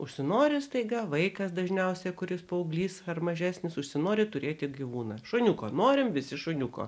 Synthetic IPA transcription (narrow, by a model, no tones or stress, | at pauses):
ʊʃʲsʲɪnoːɾʲɪst̪ɐɪɡɐʋɐɪkɐsd̪ɐʒʲnʲɛʊsʲɛkʊɾʲɪspɐʊːɡlʲiːsɐrmɐʒʲæːsʲnʲɪsʊʃʲsʲɪnoːɾʲɪt̪ʊɾʲeːt̪ʲɪɡʲiʋuːnɐʃʊnʲʊkoːnoːɾʲɪmʋʲɪsʲɪʃʊnʲʊko̰ː